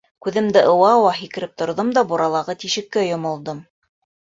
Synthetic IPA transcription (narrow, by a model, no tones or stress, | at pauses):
kʉðɘ̆md̪ɘʔɤ̆wɑwɑɦikɘ̆ɾɘp̚t̪ŏɾðomd̪ɑbuɾɑlˠɑʁɤt̪iʃɘ̆kːæjŏmŏlˠd̪ɤm